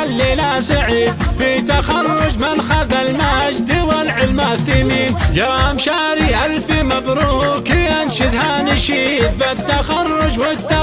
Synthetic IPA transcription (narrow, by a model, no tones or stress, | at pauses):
alːilasaʕiːd̪fit̪axɑrˤːʊd͡ʒmɪnxaðalmahd͡ʒd̪ɪwalʕɪlmaʔθɪmiːnd͡ʒɑɾˤmʃaːɾiʔalfimɑðˤɾʊhkɪanʃɪd̪hanɪʃiːt̪̚bat̪ːaxɑrˤːʊd͡ʒwɪt̪a